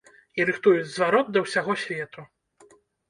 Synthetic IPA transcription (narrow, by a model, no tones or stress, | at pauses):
iɾɨxt̪ujud͡zʲzvaɾɔt̪̚d̪ɐwsʲaɣɔsʲvʲɛt̪u